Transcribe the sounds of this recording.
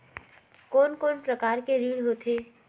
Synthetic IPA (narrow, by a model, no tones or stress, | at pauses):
koɔːnkɔːnpɾəkaːɾkeɾiːɽɦoːt̪ʰeː